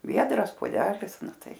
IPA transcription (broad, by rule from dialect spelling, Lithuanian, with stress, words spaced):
ˈʋʲiɛdrɐs poːˈdʲæːlʲɪs ˈnʊ ˈtɐɪ